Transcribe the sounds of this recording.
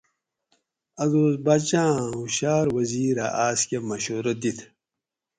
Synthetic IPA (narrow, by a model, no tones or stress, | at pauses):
ɐduːzbat͡ɕãːuɕaːɾwɐziːɾa̰ʔaːskemɐɕoːɾɐd̪it̪ʰ